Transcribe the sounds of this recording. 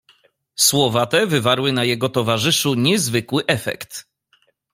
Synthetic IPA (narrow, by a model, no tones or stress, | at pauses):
swɔvat̪ɛvɘvaɾwɘnajɛɡɔt̪ɔvaʐɘʂuɲɛzvɘkwɘʔɛfɛ̰kt̪